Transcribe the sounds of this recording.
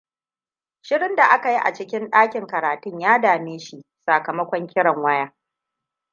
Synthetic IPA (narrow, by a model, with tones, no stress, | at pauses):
ʃɪ˦ɽɪ˦nda˨ʔa˦ka˨ji˦ʔa̰˨t͡ʃɪ˦kʲɪ˦nɗaː˦kʲɪ˨ŋkɐ˨ɾaː˨tʊ˦ɲjaː˦daː˨meː˦ʃi˦˨saː˨kɐ˨mɐ˦kʷɔ˦ŋkʲɪ˦ɽɐ˨ŋwɐ˦jaː˦